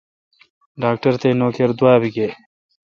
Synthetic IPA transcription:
ɖaːk̚ʈɐɾt̪ejnoːkeɾd̪waːbiɡe

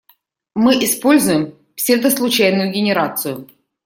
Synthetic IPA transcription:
mɨʔɪspo̞lʲzʊjɪm | fsʲɛt̪əslˠʊt͡ɕæjnʊjʊɡʲɪnʲɪɾat̪sɨjʊ

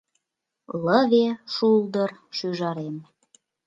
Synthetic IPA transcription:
ləβeʃuld̪ərʃyʒɑɾem

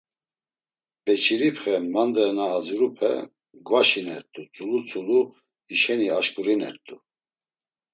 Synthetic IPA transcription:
b̥ɛt͡ʃʰiɾipʰχɛmand̪ɛnaːd͡zuɾupʰɛ̰ | ɡvaʃinɛ̰ɾt̪ʼut͡sʼulut͡sʼulu | iʃɛniaʃkʼuɾinɛ̰ɾt̪ʼu

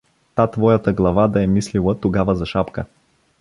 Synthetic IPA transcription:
t̪at̪vɔjət̪əɡlˠɐvad̪ɐɛmislilˠət̪oɡavəzɐʃapkə

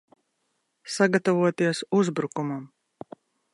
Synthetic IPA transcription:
saɡat̪avuɔt̪iɛsuzbɾukumam

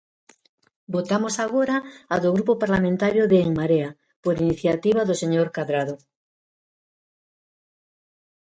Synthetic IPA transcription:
bot̪amosaɣoɾaːðoɣɾupopaɾlamẽnt̪aɾjoðeːŋmaɾea | poɾiniθjat̪iβaðoseɲoɾkaðɾaðo

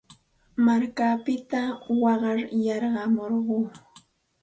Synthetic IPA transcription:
maɾkapɪt̪awɑɢɑɾjɑɾɢɑmoɾɢuː

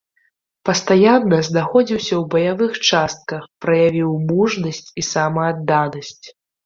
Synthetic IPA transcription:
pɐst̪ajanːɐznaxɔd͡zʲiwsʲɐwbɐjavɨxt͡ʂast̪̚kɐxpɾɐjavʲiwmuʐnɐsʲt͡sʲisamɐːd̪ːanɐsʲt͡sʲ

